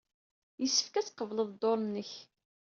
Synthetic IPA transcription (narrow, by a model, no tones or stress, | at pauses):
jəsːə̥fkæt͡sːqəvləðˤd̪oɾˤnːəç